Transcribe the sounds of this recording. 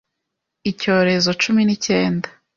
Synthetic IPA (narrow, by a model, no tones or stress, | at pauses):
ico̞ːɾe̞zo̞t͡ʃuminice̞ːnda